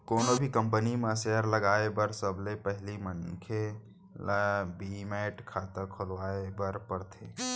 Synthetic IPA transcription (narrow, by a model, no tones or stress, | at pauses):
koːnobʱikə̃mpənimesɛəɾləɡaebəɾsəblepəɦlimənkʰe | lbimeʈkʰat̪əɾkʰolʋaebəɾpəɾt̪ʰe